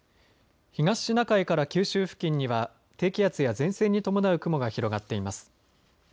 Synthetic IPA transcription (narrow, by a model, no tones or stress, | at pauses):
çiɡaɕːinakaikaɾakʲɨːɕɨːɸɯ̟̥kʲĩɲ̟ːiβa | t̪e̞ːkʲijat͡sɨjazẽ̞ɰ̃se̞ːɲ̟ːit̪o̞mo̞naɯ̟kɯ̟mo̞ɡaçiɾo̞ɡat̪ːe̞imasɨ̥